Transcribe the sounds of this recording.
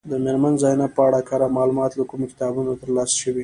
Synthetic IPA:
d̪əmeɾmanzɑjnapəaɽakaɾamɑlumɑt̪lakumokɪ̥t̪ɑbunot̪əɾlɑsʃəwi

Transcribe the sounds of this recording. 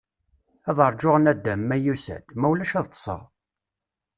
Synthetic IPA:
æðˤəɾˤd͡ʒoʁnæd̪ːæmːæjusæ̰d̪mæwlæʃæðˤt̪ˤːə̥sˤɑ̰

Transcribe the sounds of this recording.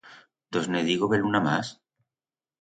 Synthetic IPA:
d̪ozneðiɣoβelunama̰s

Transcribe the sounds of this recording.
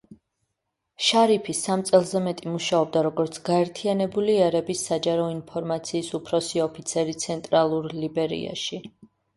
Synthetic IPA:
ʃaɾipʰisamt̪sʼɛlˠzɛmɛt̪ʼimuʃaɔb̚d̪aɾɔɡɔɾt̪sʰɡ̥aɛɾt̪ʰianɛbuliɛɾɛbisːad͡ʒaɾɔinpʰɔɾmat̪sʰiːsupʰɾɔsiɔpʰit̪sʰɛɾit̪sʰɛnt̪ʼɾalˠuɾlibɛɾḭa̰ʃi

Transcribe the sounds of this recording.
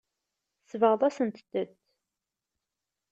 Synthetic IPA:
svəʁðˤɑsənt̪əd̪əd̪

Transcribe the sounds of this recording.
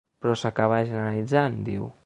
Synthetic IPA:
pɾɔsakaβaʒənəalid͡zand̪iw

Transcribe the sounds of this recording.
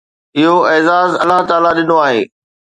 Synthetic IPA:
ɪɦoɛːzaːzɐlːaɦt̪aːlaɗɪnoaːɦḛː

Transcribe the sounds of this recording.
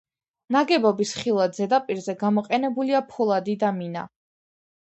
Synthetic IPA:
naɡɛbɔbisχilˠad̪zɛd̪apʼiɾzɛɡamɔqʼɛnɛbuliapʰɔlˠad̪id̪amina̰

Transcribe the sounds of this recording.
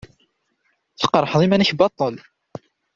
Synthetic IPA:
θə̥qːɾˤħðˤimænəçbɑt̪ˤːəl

